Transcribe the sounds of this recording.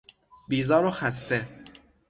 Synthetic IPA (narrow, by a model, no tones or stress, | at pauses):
biːzɒːɾoxæst̪ʰe